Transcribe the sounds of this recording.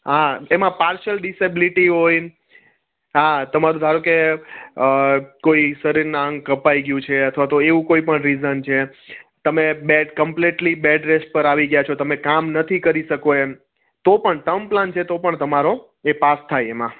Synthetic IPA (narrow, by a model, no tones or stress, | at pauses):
ɦaemãpaɾʃəlɖisebiliʈiɦoj | ɦat̪əmaɾũd̪ʱaɾoke | koisəɾiɾnaŋɡkəpaiɡjũt͡ʃʰeət̪ʰʋat̪oeʋũkoipəɳɾizənt͡ʃʰet̪əmebɛɖkəmpleʈlibɛɖɾesʈ̚pəɾaʋiɡəjat͡ʃʰot̪əmekamnət̪ʰikəɾiʃəkoe | t̪opəɳʈəmplant͡ʃʰet̪opəɳt̪əmaɾo | epast̪ʰajemã